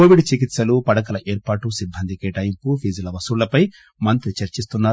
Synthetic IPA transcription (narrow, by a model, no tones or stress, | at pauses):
koːʋiɖt͡ʃikit̪sɐlupɐɽɐkɐlɐʔeːɾpaːʈusibʱːɐnd̪ʱikɛːʈɐjimpupʰiːd͡ʒɐlɐʋɐsuɭlːɐpɐj | mɐnt̪ɾit͡ʃɐɾt͡ʃist̪unːaː